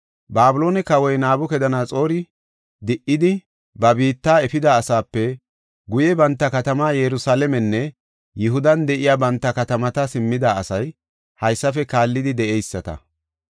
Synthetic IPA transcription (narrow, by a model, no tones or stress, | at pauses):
baːbʊlo̞ːnɛkɐwɔjnaːbʊkɛd̪ɐnaːt͡sʼo̞ːɾɪ | d̪ɪʔɪd̪ɪ | bɐbiːt̪ːaːɛfɪd̪aːsaːpːɛ | ɡʊjɛbɐnt̪ːɐkɐt̪ɐmaːjɛɾʊsaːlɛmɛnːɛ | jʊɦʊd̪ɐnd̪ɛʔɪjaːbɐnt̪ːɐkɐt̪ɐmɐt̪ɐsɪmːɪd̪aɐsɐj | hɐjsːɐfɛkaːlːɪd̪ɪd̪ɛʔɛjsːɐt̪ɐ̰